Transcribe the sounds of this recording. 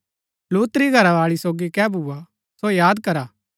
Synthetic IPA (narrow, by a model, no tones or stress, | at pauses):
luːt̪ɾiɡʱɐɾaʋaːɭisoːɡikɛbʱua | sojaːd̪kɐɾaː